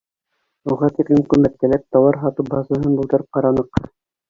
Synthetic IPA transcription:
uʁɑt̪iklɘmkɵmæt̪ːæ̆læp̚t̪ɑwɑɾɦɑt̪ɤbɑzɑɦɤnbulˠt̪ɤɾɤp̚qɑɾɑnɤq

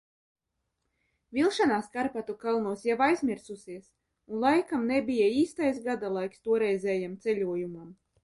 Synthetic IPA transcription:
vʲilˠʃanaːskaɾpat̪ukalˠnuɔsjavajzmʲiɾsusiɛs | unlˠajkamnɛbʲijaiːst̪ajsɡad̪alˠajkst̪uɔɾɛjzɛːjamt̪sɛlʲuɔjumam

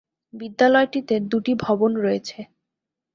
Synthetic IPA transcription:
bid̪ːalɔeʈit̪eɾd̪uʈibʱɔbonɾɔet͡ɕʰe

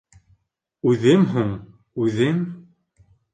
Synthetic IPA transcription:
ʉðɘmɦuɴ | ʉðɘm

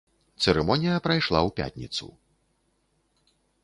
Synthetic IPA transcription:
t̪sɛɾɛmɔnʲijɐpɾajʂlˠawpʲa̰t̪ʲnʲit̪sṵ

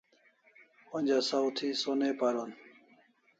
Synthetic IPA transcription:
õːnʲd͡ʒaːsaːwt̪ʰiːsoːneːpaːɾoːn

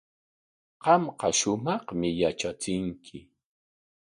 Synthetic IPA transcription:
qɑmqɑʃʊmɑχmɪjat͡ʃat͡sɪŋkʰɪ

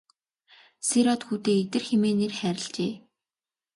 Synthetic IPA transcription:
seɾɔt̪xuːt̪eːet̪ɘ̆rxemeːnerχæːɾʲɪ̆ɮt͡ɕeː

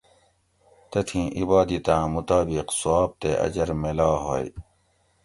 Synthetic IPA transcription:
t̪ɐt̪ʰĩːʔibaːd̪it̪ãːmut̪aːbiqsaːb̚t̪eʔɐ̰d͡ʑɐɾmelaːɦoːj

